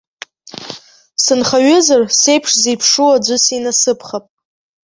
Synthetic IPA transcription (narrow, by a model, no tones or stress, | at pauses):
sɨnχaɥɪzarse̞jpʰʂzijpʰʂuwad͡ʒʷʊsinasɨpʰχapʼ